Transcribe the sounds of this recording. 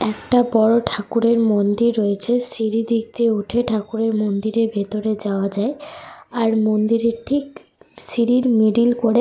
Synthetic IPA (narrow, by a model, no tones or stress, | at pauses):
ɛkʈabɔɾoʈʰakuɾeɾmond̪iɾːoet͡ɕʰesiɾid̪iɡ̚t̪euʈʰeʈʰakuɾeɾmond̪iɾebʱet̪oɾed͡ʑaoad͡ʑaeaɾmond̪iɾeʈʰik | siɾiɾmiɖilkoɾe